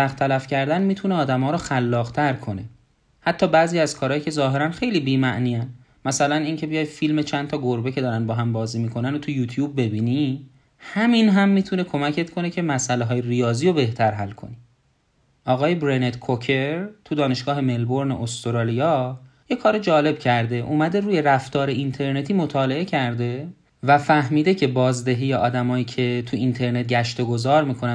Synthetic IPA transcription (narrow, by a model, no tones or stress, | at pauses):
æxt̪ʰælæfcʰæɾd̪ænmiːt̪ʰuneɒːd̪æmɒːɾɔxælːɒːɣt̪ʰæɾkʰo̞ne̞ | hæt̪ʰːɒːbæːziːæzkʰɒːɾɒːjcʰe̞zɒːɦe̞ɾænxe̞jliːbiːmæʔniːæn | mæsælæniːŋcʰe̞bijɒːj̥̪filme̞t͡ʃʰænd̪t̪ʰɒːɡoɾbecʰe̞d̪ɒːɾænbɒːɦæmbɒːziːmiːkʰo̞nænot̪ʰujuːt̪ʰjuːbːe̞biːni | hæminɦæmːiːt̪ʰune̞kʰo̞mæcʰe̞t̪kʰo̞ne̞cʰe̞mæsʔæleɦɒːjerijɒːziːɾobe̞ht̪ʰæɾɦælkʰo̞̰ni | ʔɒːɣɒːjebɾenet̪kʰocʰe̞ɾt̪ʰud̪ɒːne̞ʃɡ̥ɒːhe̞me̞lbo̞ɾnḛʔost̪oɾɑːlijɒje̞kʰɒːɾed͡ʒɒːle̞b̥cʰæɾd̪e̞ʔumæd̪e̞ɾuːje̞ɾæft̪ɒːɾe̞ʔint̪ʰe̞ɾne̞t̪ʰiːmo̞t̪ʰɒːle̞e̞cʰæɾd̪e̞ | væfæhmiːd̪e̞cʰe̞bɒːzd̪eɦiːjeɒːd̪æmɒːjiːcʰe̞t̪ʰuint̪ʰe̞ɾne̞t̪̚ɟæʃt̪o̞ɡo̞zɒːɾmiːkʰo̞næ